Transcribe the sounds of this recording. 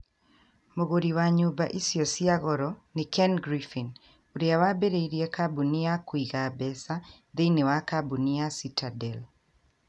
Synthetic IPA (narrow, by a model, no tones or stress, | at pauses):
moɣoɾiwaɲubaʔisiɔsiaɣɔɾɔnɪkɛnɡɾifin | uɾjawabeɾeiɾijekabuniakwiɣabɛsa | d̪enewakabuniasitʰadɛl